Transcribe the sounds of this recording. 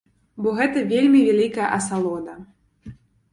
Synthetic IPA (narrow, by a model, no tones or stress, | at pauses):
bɔɣɛt̪ɐvʲelʲmʲivʲalʲikɐjɐʔɐsalˠɔd̪ɐ